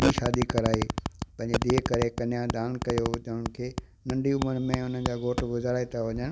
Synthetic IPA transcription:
iʃaːd̪ikɐɾaːipɐ̃ɦɪ̃ɲd͡ʑed̪iːkɐɾekɐnɪjãd̪ãːnkɐjotɐɦən̆kʰeː | nɐ̃ɳɖʱiʊməɾmẽʊn̤ə̃nd͡ʑaːɡoːʈɡʊzaːɾaːit̪ʰaʋɐɲən

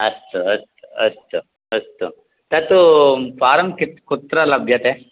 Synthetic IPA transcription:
ɐst̪uɐst̪uɐ̰st̪u | ɐst̪u | t̪ɐt̪upaːɾɐmkit̪kut̪ɾɐlɐbʱjɐt̪e

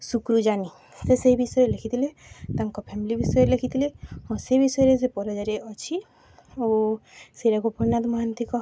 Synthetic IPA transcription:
sukɾud͡ʒani | seseɦibisɔjɾelekʰit̪ʰilet̪aŋkɔpʰɛmilibisɔjeɾelekʰit̪ʰileɦɔ̃sebisɔeɾesepɔɾɔd͡ʒaɾeʔɔt͡ʃʰi | oseɾaɡɔpɔɾnad̪mɔɦant̪ikɔ

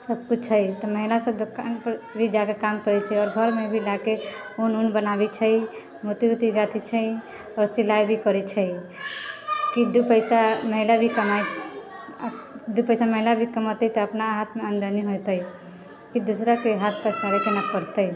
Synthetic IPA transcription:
səb̚kut͡ʃʰəjt̪ɔməɦilasəd̪okanpəɾbʱid͡ʒakekamkəɾɛt͡ʃʰəiɔːɾɡʱəɾmebʱilakeununbənabit͡ʃʰəj | mot̪iut̪iɡat̪ʰit͡ʃʰəj | ɔɾsilajbʱikəɾɛt͡ʃʰəj | kid̪upəjsaməɦilabʱikəmaj | d̪upəjsaməɦilabʱikəmɔt̪ət̪ɔəpnaɦat̪ʰmeənd̪əniɦojt̪əj | kid̪usɾakeɦat̪̚ʰpəsaɾekenapəɾt̪ə

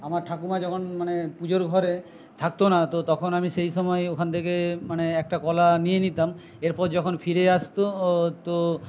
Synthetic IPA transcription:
amaɾʈʰakumad͡ʒɔkʰonmanepud͡ʑoɾɡʱɔɾe | t̪ʰak̚t̪onat̪ot̪ɔkʰonamiʃejʃɔmɔeokʰant̪ʰekemaneɛk̚ʈakɔlanijenit̪am | eɾpɔɾd͡ʒɔkʰonpʰiɾeast̪ot̪o

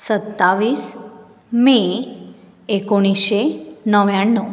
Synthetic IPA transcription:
sət̪ːaʋiːs | me | ekoɽ̃iɕenəʋjaɳːə

